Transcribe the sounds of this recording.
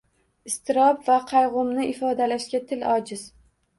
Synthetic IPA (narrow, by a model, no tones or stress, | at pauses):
ɪst̪ɪɾɒbvaqʰɑjʁʊmnɪʔɪfɒd̪alaʃɡʲat̪ʰɪlɒd͡ʒɪz̥